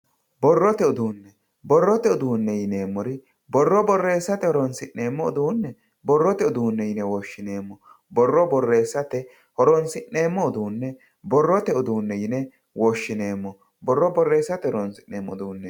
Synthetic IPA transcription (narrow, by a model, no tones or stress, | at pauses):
bɔrːɔt̪ɛʊd̪uːnːɛ | bɔrːɔt̪ɛʊd̪uːnːɛjɪneːmːɔɾɪ | bɔrːɔbɔrːeːsːɐt̪ɛhɔɾɔnsɪnːe̞ːmːɔ̰ːd̪uːnːɛ | bɔrːɔt̪ɛʊd̪uːnːɛjɪnɛwɔʃːɪne̞ːmːɔ | bɔrːɔbɔrːe̞ːsːɐt̪ɛ | hɔɾɔnsɪnːe̞ːmːɔʊd̪uːnːɛ | bɔrːɔt̪ɛʊd̪uːnːɛjɪnɛ | wɔʃːɪne̞ːmːɔ | bɔrːɔbɔrːe̞ːsːɐt̪ɛhɔɾɔnsɪnːeːmːɔ̰d̪uːnːɛ